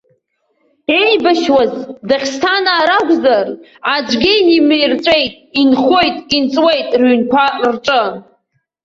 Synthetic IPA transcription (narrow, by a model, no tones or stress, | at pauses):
ejbaʃwazdaχʲstʰanaːɾaɡʷʼzarad͡ʒɡʲɪnimejrt͡ʃʷʼe̞jtʼinχo̞jtʼint͡sʼwejtʼrɥynkʷʰarʈ͡ʂʼɨ